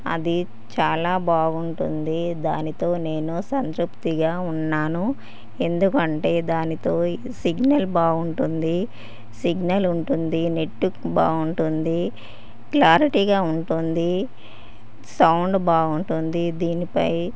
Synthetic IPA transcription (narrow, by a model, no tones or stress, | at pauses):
ɐ̰d̪i | t͡ʃaːlaːbaːɡuɳʈṵnd̪id̪aːnit̪o̞ːne̞ːnusɐnt̪ɾupt̪iɡaːunːaːnu | e̞nd̪ukɐɳʈe̞ːd̪aːnit̪o̞ː | siɡnɐlbaːɡuɳʈund̪i | siɡnɐluɳʈund̪ine̞ʈːuba̰ːɡuɳʈund̪i | klaːɾiʈiːɡaːuɳʈund̪i | sɐwɳɖbaːɡuɳʈund̪id̪iːnipɐ̰j